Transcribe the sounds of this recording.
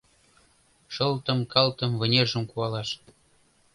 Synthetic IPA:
ʃɤ̆lt̪ə̆mkɑlt̪ə̆mvə̆nʲerʒə̆mkuɑlɑʃ

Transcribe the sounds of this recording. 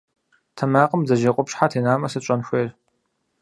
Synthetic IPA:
tʰɐmaːqəmzɐʒeqʷʼʊpɕħatʰeːnaːmɐsɨɕʼɐnxʷeːr

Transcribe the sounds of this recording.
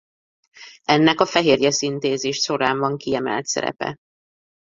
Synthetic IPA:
ɛnːɛkɒfɛɦeːrjɛsint̪eːzeːʃʃo̞ɾaːɱvɒŋkiɛmɛ̰lt̪sɛ̰ɾɛ̰pɛ̰

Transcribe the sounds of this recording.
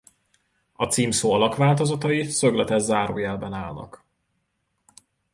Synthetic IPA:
ɒt̪siːmsoːɒlɒkʋaːlt̪ozɒt̪ɒisøɡlɛt̪ɛzzaːɾo̰ːjɛlbɛnaːlnɒ̰k

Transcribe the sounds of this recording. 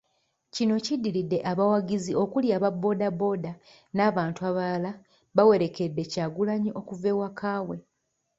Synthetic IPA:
cino̞cidːilidːe̞ʔaβawaɡizio̞kuljaːβabːo̞ːdabːo̞ːda | naːβaːntuaβala | βawe̞ɾe̞ke̞dːe̞caːɡulaɲiʔo̞kuve̞ːwakʰaːwe̞

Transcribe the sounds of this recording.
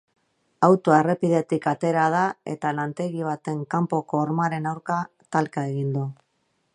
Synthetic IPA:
awt̪oere̞piðe̞t̪ikat̪e̞ɾað̞ae̞̰t̪alant̪e̞ɣiβ̞at̪e̞ŋkampo̞ko̞ːɾmaɾe̞nawɾka | t̪alkae̞ɣind̪u

